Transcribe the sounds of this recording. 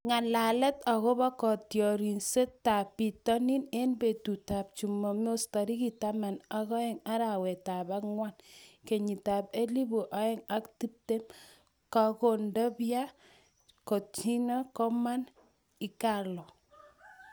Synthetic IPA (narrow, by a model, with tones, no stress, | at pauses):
ŋa˨la˨lɛ˦ta˨ɣɔ˦ba˦kɔ˨tjɔ˨ɾi˨nse˦ta˨pːi˨tɔ˦ni˦ne˦nbe˨tu˨ta˨p̚t͡ʃu˨mɔ˨m˦o˦stɔ˨ɾi˦ki˨ta˦ma˨na˦kɔ˦e˨ŋa˦ɾa˨wɛ˨ta˨ba˦kŋwa˦nke˨ɲi˨ta˨pe˦li˦bu˨ʔa˦e˦ŋa˦kti˦p̚te˦m | ka˨ko˨ndɔ˦bja˦ | ko˨t͡ʃi˦nɔ˦kɔ˦ma˦n | i˨˦ka˨lɔ˨